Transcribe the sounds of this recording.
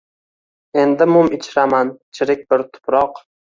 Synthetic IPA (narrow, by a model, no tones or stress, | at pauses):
e̞nd̪ɪmʊmɪt͡ʃʰɪɾamant͡ʃʰɪɾɪk̚ʲbɪɾt̪ʰʊ̥pɾɒq